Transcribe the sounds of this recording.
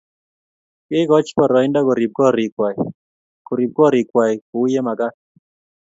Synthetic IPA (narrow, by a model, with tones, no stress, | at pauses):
kɪ˦kɔ˦t͡ʃkɔ˨ɾɔ˨ɪ˦nda˦kɔ˨ɾi˨b̚kɔ˦ɾɪ˨kwa˨i˨ | ko˨ɾi˨b̚kɔ˦ɾi˨kwa˨i˨kʊ˨wje˦ma˨ka˦